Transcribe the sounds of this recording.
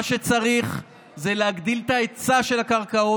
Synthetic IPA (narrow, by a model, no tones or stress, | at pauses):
aʃet͡saʁiχ | zeleaɡd̪ilt̪aet͡saʃe̞lakaʁkao